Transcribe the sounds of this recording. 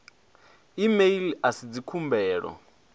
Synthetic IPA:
imeiliasid͡zikʰumbɛːɺɔ̰

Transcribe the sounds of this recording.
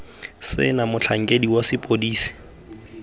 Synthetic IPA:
sɪ̰namʊt͡ɬʰaŋ̩kʼediwasɪpʼodiːsi̥

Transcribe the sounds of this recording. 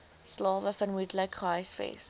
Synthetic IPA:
slɑːvəfənmudləkʰrɐjsfɛ̰s

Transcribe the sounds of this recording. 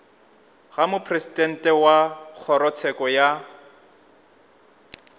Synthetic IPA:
ɣamʊpʰresidʼɛn̩tʼɛwak͡xʰɔɾɔt͡sʰɛkʼɔja

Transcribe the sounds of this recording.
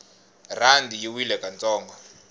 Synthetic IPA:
randijiwilɛkʼant͡sʼɔːŋɡɔ

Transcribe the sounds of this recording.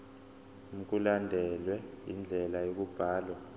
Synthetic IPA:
m̩k̬ʼulandʱɛlwɛ | ḭnd͡ɮʱɛlajok̬ub̥ʱaːlwa

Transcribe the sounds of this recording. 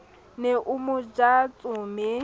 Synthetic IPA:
neʔʊmʊd͡ʒat͡sʼʊːmɪ

